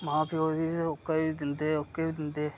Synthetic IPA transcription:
mãːpʰɪoːd̪iːokːeːiːd̪ɪnd̪eːokːeːbiːd̪ɪnd̪eː

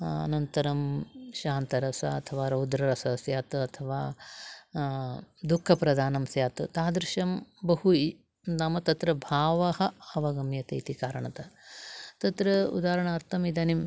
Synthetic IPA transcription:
ɐ̰nɐnt̪ɐɾɐmʃaːnt̪ɐɾɐsɐɐt̪ʰɐʋaːɾɐwd̪ɾɐɾɐsɐsjaːt̪ɐt̪ʰɐʋaː | d̪ukʰːɐpɾɐd̪ʱaːnɐmsjaːt̪ɨt̪aːd̪ɾɪʃɐmbɐɦui | nɐmɐt̪ɐt̪ɾɐbʱaːʋɐhɐ̆ɐʋɐɡɐmjɐt̪ɐit̪ikaːɾɐɳɐt̪ɐt̪ɐt̪ɾɐṵd̪aːɾɐɳɐːɾt̪ʰɐmid̪ɐnim

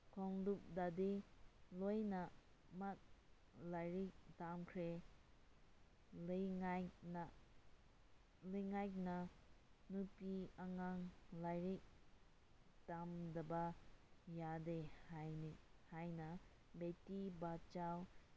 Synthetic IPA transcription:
kʰɔŋdup̚dadelojna | mat̚ | lajɾik̚damkʰɾe | lɯjŋajkna | lɯjŋajk̚na | nupiaŋaŋlajɾik̚ | d̥amdɐbajadehajnihajna | betibat͡ʃaw

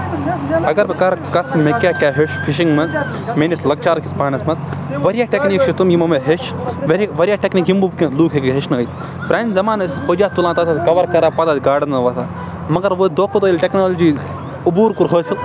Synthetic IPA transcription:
ɐɡɐɾbɐkɐɾkɐt͡smekʲaːkʲaːɦeʃfiʃiŋɡmɐs | menislɐk̚t͡ʃaːɾkʲʰispaːnɐsmɐsʋɐɾʲjaːʈekniːkt͡ʃʰit̪umjimɐmɐɦeʃʋɐɾʋɐɾjaːʈʲekniːkɦimbubkʲisluːkɦekɦeʃnɨəjt̪ | pɾaːnʲzɐmaːnɐspəd͡ʒaːt̪ulãːt̪ɐt̪ʰat̪kɐʋɐɾkɐɾaːpɐd̪aːt̪ʲɡaːɖɐnɐʋɐsaː | mɐɡɐɾʋəd̪oːkot̪oːilʲʈeknoːlod͡ʒiː | ubuːɾkuɾɦoːsɨl

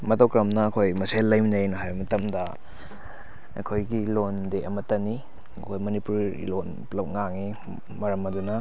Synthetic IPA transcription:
mɐtowkɾɐmnɐːkʰojmɐselːɐjminɐjnɐɦajbɐmɐtɐmdɐ | ɐ̰kʰojɡilondeʔɐmɐtɐni | ɐkʰojmɐnipuɾ̰ | lonplɐp̚ŋaŋi | mɐɾɐmɐdunɐ

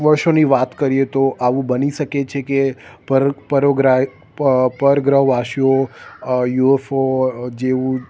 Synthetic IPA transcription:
ʋəɾʃoniʋat̪kəɾiet̪oʔaʋũbəniʃəket͡ʃʰekeppəɾoɡɾa | pəɾɡɾəɦʋaʃijo | juefod͡ʒeʋũ

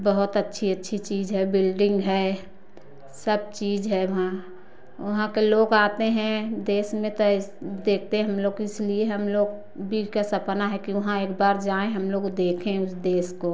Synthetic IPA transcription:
bəɦʊt̪ətːʃʰiətːʃʰit͡ʃiːd͡ʒɦɛbɪlɖɪ̃ŋɡɦɛ | səb̚t͡ʃiːd͡ʒɦɛʋɐɦã | ʋɐɦãkeloːɡaːt̪eɦɛ̃d̪eːsmẽt̪od̪eːk̚ʰt̪eɦɛ̃ɦɐmloːɡɪslieɦəmloːɡ | bʱikasɐpnaɦɛkiʋɐɦãeːkbaːɾd͡ʒaːẽɦɐmloːɡd̪eːkʰẽʊsd̪eːsko

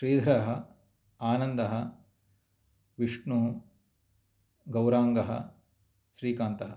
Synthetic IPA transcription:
ʃɾiːd̪ʱɐɾɐɦɐ | aːnɐnd̪ɐɦɐ | ʋiʂɳu | ɡɐwɾaːŋɡɐɦɐ̰ | ʃɾiːkaːnt̪ɐɦɐ̰

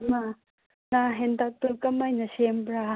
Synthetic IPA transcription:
ma | naɦendak̚t̪uɾkɐmajnɐsembɾa

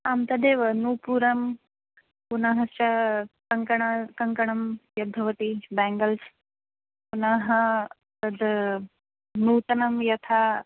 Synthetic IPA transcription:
amt̪ɐd̪eːʋɐnuːpuːɾɐm | punɐɦɐst͡ʃɐkɐŋkɐɳɐkɐŋkɐɳɐmjɐd̪ʱɐʋɐt̪ibɛːŋɡɐls | punaɦɐ | t̪ɐd̪ | nuːt̪ɐnɐmjɐt̪ʰa

